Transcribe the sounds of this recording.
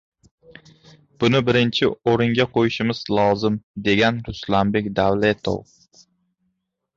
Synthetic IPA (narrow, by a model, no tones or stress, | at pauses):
b̥ʊnɪbɪɾɪnt͡ʃʰɪoɾɪŋɡʲaqʰojɪʃɪmɪz̥lˠɒzɪmd̪e̞ɡʲanɾʊslambekʲd̪awlet̪ʰo̰w